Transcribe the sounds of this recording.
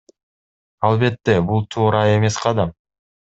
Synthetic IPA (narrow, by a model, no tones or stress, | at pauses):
ɑlˠbe̞t̪ːe̞bulˠt̪ʰuːɾɑe̞me̞sqʰɑd̪ɑm